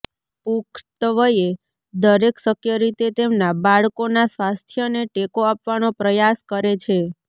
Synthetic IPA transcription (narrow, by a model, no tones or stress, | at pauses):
pukʰt̪əʋəje | d̪əɾeksəkʰjəɾit̪et̪emnabaɭkonasʋast̪ʰjəneʈekoapʋanopɾəjaskəɾet͡ʃʰe